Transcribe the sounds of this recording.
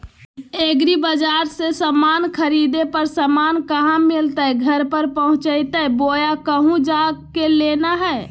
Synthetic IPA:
eːɡɾibəd͡ʒaːɾsesamaːnkʰəɾid̪epəɾsəmaːnkəɦãmɪlt̪aɛɡʱəɾpəɾpəɦʊ̃t͡ʃəɪt̪aɛboːjakəɦũd͡ʒakeleːnaɦɛː

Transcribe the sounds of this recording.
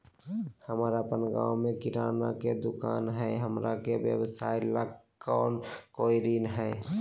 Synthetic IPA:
həmɾapənɡa̰wmekiɾanaked̪ʊkanɦɛɦəmɾakebjə̰bsailəɡ | kankojɾinɦɛ

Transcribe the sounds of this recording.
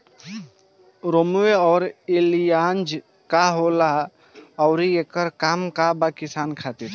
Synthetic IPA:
ɾomueɔːɾelijand͡ʒ | kaɦola | ɔʊɾiekəɾkaːmkabakisaːnkʰat̪iɾ

